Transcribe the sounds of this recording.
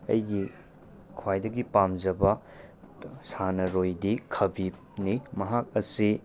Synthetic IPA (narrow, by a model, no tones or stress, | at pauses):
ɐ̰jɡi | kʰwajdɐɡipamzɐbɐ | sanɐɾojdikʰɐbi | nimɐɦak̚ɐsi